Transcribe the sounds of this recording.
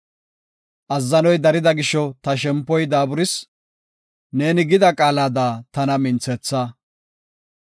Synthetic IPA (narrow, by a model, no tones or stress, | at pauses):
ʔɐzːɐnɔjd̪ɐɾɪd̪ɐɡɪʃɔt̪ɐʃ̬ɛmpːɔjd̪aːbʊɾɪs | ne̞ːnɪɡɪd̪ɐkʼaːlaːd̪aːt̪ɐnɐmɪnt͡sɛt͡sːaː